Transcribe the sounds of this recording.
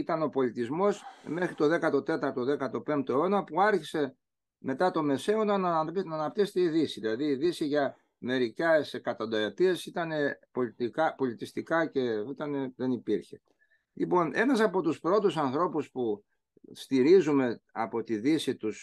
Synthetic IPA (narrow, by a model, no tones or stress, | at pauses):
it̪ɐno̞po̞lit̪izmo̞sme̞xɾit̪o̞ðe̞kɐt̪o̞t̪e̞t̪ɐɾt̪oðe̞kɐɾt̪o̞pe̞mt̪oeo̞nɐpuɐɾçise̞ | me̞t̪ɐt̪o̞me̞se̞onɐnnɐːnɐp̚t̪ise̥t̪eiðisiðilɐðiːðisiʝɐ | me̞ɾicesekɐt̪ond̪ɐot̪iesit̪ɐne̞po̞lit̪ikɐpo̞lit̪ist̪ikɐce̞it̪ɐneðe̞nipiɾçe̞ | lipo̞ne̞nɐsɐpo̞t̪uspɾo̞t̪usɐnθɾo̞puspu | st̪iɾizume̞ɐ̰po̞t̪iðisit̪us